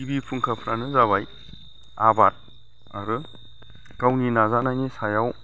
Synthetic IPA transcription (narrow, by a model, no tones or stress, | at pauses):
ibipʰuŋkʰapʰɾanɯzaβaj | abat̚ | aɾɯ | ɡ̥awninazanajnisajaw